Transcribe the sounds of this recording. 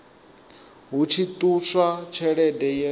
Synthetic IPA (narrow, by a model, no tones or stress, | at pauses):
ɦut͡ʃʰit̪ʼuswat͡ʃʰɛɺɛdɛjɛ